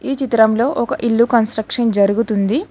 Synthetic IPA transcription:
iːt͡ʃit̪ɾɐmlo̞ːʔɔkɐʔilːukɐnsʈɾɐkʂɐnd͡ʒɐɾuɡut̪und̪i

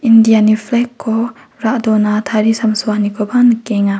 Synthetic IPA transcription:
indianiflɛkʰːo | ɾaʔd̪onat̪ʰaɾisamsuanikobanəkeŋa

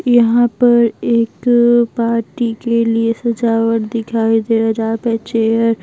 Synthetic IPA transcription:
jɐɦãpɐɾeːkpaːɾʈikeliesɐd͡ʒaːʋəʈd̪ɪkʰaːid̪eɐd͡ʒaːpet͡ʃeːəɾ

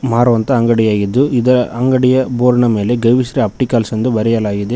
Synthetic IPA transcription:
maːɾuʋɐnt̪ɐɐŋɡɐɽijaːɡid̪ːuid̪ɐɾɐʔɐŋɡɐɽijɐboːɾɐɳɐme̞ːleɡɐjʋisɐɾɐɐp̚ʈikaːlsɐnd̪ubɐɾɛjɐlaːɡid̪e

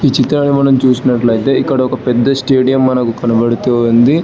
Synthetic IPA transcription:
iːt͡ʃit̪ːɾaːɳimɐnɐmt͡ʃuːsinɐʈlɐjit̪e̞ːikːɐɽɐɔkɐpɛd̪ːɐsʈeːɖijɐmːɐnɐkukɐnɐbɐɽit̪oːund̪i

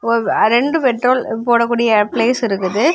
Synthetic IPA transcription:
ɔɾɾɛɳɖɯpɛʈːɾoːlpoːɽɐk̬ːuːɽɪjɐpleːsɪɾɯk̬ːɯðɯ

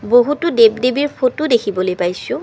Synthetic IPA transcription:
boɦutʊdebdebiɹpʰotudekʰibɔlojpajsʊ̃

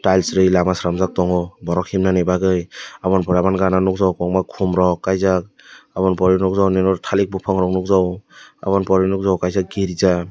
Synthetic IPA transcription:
tajlsɾɯjlamasɾamzak̚tɔŋɔbɔɾɔkhimnanebaɡɯjabɔnpɔɾabanɡananuk̚zawkɔŋmakʰumɾɔkːajzak̚ | abɔnpɔɾinɔk̚zawnenɔɾtʰalik̚bupʰɔŋɾɔk̚nuk̚zawa̰βɔnpɔɾinuk̚zawkajzak̚ɡiɾiza

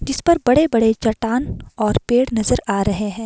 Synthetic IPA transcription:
d͡ʒɪspɐɾbɐɽebɐɽet͡ʃɐʈaːnɔːɾpeːɽnɐzəɾaːɾɐɦeɛ̃ː

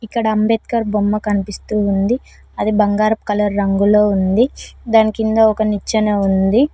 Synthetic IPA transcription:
ikːɐɽɐːmbeːt̪kɐɾbomːɐkɐnipist̪uːnd̪i | ɐd̪ibɐŋɡaːɾɐpkɐlɐɾːɐŋɡuloːund̪id̪aːnikind̪ɐɔkɐnit͡ʃːɐnɐund̪i

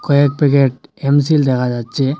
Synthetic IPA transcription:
kɔjek̚pɛkeʈ̚ems̬ild̪ɛkʰad͡ʒat͡ʃʰe

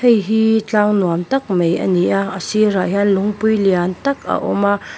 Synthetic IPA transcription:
ejɦit͡ɬaŋnuamt̪ɐk̚mejʔə̰niʔaəsiɾaʔɦanlʊŋpujliant̪ɐka̰ʔɔmaʔ

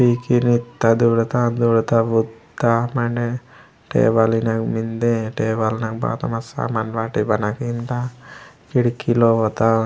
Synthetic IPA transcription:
piːkinit̪ːad̪uːɽut̪ad̪uːɽt̪aʋud̪amɐɳɖe | ʈḛːbalinakmind̪eʈeːbalnakba̰ːt̪ɐmɐsa̰manʋaːʈibɐnakint̪a | kiɽikːiloot̪a

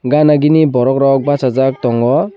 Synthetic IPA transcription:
ɡanaɡinibɔɾɔkɾɔk̚basazak̚tɔŋɡɔ

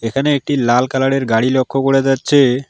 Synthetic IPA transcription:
ekʰaneek̚ʈilalkalaɽeɾɡaɽilokʰːokoɽed͡ʑatːɕʰe

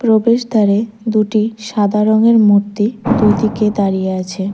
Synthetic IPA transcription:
pɾobeʃd̪ʱaɾe | d̪uʈiʃad̪ʱaɾoŋeɾmuɾt̪id̪ujt̪iked̪aɾijeat͡ɕʰe

